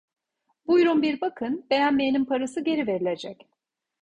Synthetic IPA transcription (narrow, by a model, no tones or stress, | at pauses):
b̥ujɾunbiɾbakʰɯnbe̞jænmejnimpʰaɾasɯɟe̞ɾive̞ɾilʲe̞d͡ʒɛc